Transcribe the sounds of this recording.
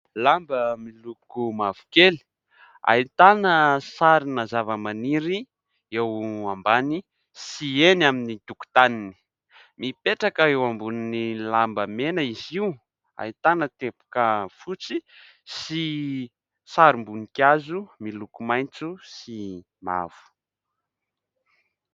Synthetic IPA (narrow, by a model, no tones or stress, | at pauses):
lambəmilukumav̥u̥keli̥ | a̰it̪anəsaɾinazavəmaniɾi | ewambani | sienaminit̪uku̥t̪anini̥ | mipeʈ͡ʂakəewambuninilambəmenəiziu | a̰it̪anət̪epu̥kəfut͡si | si | saɾimbunikjazumilukumajt͡susi | ma̰v̥u̥